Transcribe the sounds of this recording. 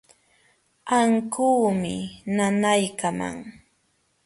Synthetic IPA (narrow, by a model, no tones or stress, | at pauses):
aŋkuːmɪnanajkama̰ŋ